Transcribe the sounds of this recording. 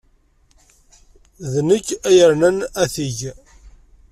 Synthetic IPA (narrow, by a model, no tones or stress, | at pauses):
ðnəkːæjəɾnənæθiʝ